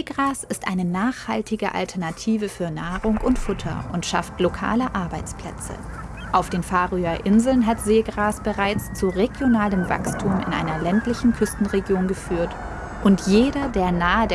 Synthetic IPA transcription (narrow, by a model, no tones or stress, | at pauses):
ɡʁaːsɪstʔa̰ɪnənaːχha̰ltɪɡəʔa̰ltʰɛɐnatʰiːvəfyːɐnaːʁʊŋʔʊntfʊtʰɐ̰ʊntʃa̰ftlokʰa̰ːləʔaɐbaɪt͡spl̥ɛ̰t͡sə̰ | ʔaʊfd̥eːnfaːʁyɐʔɪnzl̩nɦatz̥eːɡʁaːsb̥əʁaɪt͡st͡suʁeɡjonaːləmva̰kstʰuːmɪ̰nʔa̰ɪnɐlɛntlɪçn̩kʰʏstn̩ʁeɡjoːnɡəfyːɐt | ʔʊntjeːɾɐdeːɐnaːəd